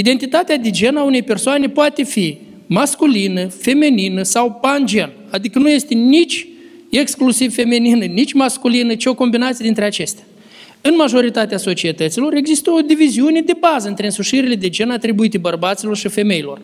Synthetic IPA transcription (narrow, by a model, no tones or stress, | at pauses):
id̪e̞nt̪it̪at̪ead̪ed͡ʒe̞naune̞jpe̞rsoane̞poat̪e̞fi | maskulinəfe̞meninəsawpand͡ʒe̞n | ad̪ikənuje̞st̪e̞nit͡ʃʲ | e̞ksklusivfe̞meninənit͡ʃʲmaskulinət͡ʃeo̞ko̞mbinat̪sijd̪int̪ɾeat͡ʃe̞st̪ea | ɨnmaʒo̞ɾit̪at̪easo̞t͡ʃie̞t̪ət̪silo̞ɾe̞ɡzist̪əo̞d̪iviziune̞d̪e̞bazəɨnt̪ɾe̞ɨnsuʃiɾile̞d̪e̞d͡ʒe̞nat̪ɾibuit̪ebərbat̪silo̞rʃife̞me̞jlo̞̰r